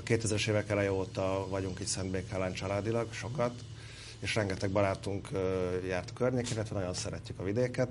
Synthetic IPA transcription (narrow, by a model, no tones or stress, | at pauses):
ɒkeːt̪ɛzɾɛʃeːvɛkɛlɛjioːt̪ɒvɒɟuŋkiːcsɛnd̪beːkaːlaːnt͡ʃɒlaːd̪ilɒɡʃo̞kɒt̪ | eːʃrɛŋɡɛt̪ɛɡ̚bɒɾaːt̪uŋkːjaːrt̪kørɲeːkɛnilːɛt̪vɛnɒɟo̞nsɛɾɛcːykɒvid̪eːkɛt̪